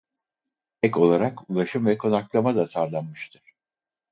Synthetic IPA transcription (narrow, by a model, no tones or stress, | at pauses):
ɛko̞lˠaɾakulˠaʃɯmvɛkʰo̞naklˠamad̪asaɾlˠanmɯʃt̪ʰɯɾ̥